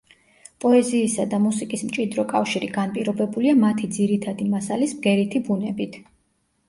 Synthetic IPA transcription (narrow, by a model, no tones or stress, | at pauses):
pʼɔɛziːsad̪amusikʼismt͡ʃʼid̪ɾɔkʼafʃiɾiɡanpʼiɾɔbɛbuliamat̪ʰid̪ziɾit̪ʰad̪imasalismɡɛɾit̪ʰibunɛbit̪ʰ